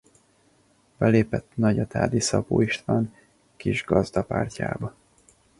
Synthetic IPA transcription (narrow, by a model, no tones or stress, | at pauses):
bɛleːpɛt̪nɒɟɒt̪ʰa̰ːd̪isɒpoːiʃt̪ʋaːn | kiʒɡɒzd̪ɒpaːrca̰ːbɒ